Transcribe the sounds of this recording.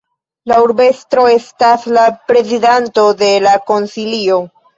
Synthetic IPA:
lauɾbe̞stɾo̞e̞staslapɾe̞zidanto̞de̞lako̞nsilio̞

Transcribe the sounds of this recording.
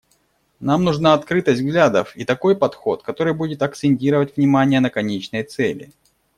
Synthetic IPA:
namnʊʐnaɐt̪kɾɨt̪əsʲt̪ʲɡlʲad̪ə̰fit̪ɐko̞jpɐt̪xo̞t̪kɐt̪o̞ɾɨjbudʲɪt̪ɐkt̪sɪnʲtʲiɾəvətʲvnʲɪmanʲɪjənəkɐnʲet͡ɕnəjt̪sɛlʲɪ̰

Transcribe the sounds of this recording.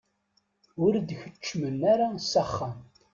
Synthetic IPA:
ʊɾd̪çə̥t͡ʃːmənːaɾasaχːəm

